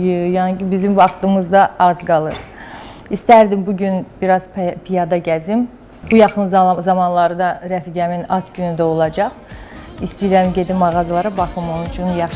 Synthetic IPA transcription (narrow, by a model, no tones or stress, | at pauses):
jɑncʰibizimvɑχt̪ɯmɯzd̪ɑɑzɡɑlˠɯɾ | ist̪æɾd̪imbuɟynb̥iɾɑzppʰijɑd̪ɑɟæzim | bujɑχɯnzzɑmɑnlˠɑɾɯd̪ɑɾæfiɡʲæminɑt̪ɟynyd̪æo̞lˠɑd͡ʒɑχist̪ijɾæmɟe̞d̪immɑʁɑzɯlˠɑɾɑbɑχɯmont͡ʃʰunjɑχ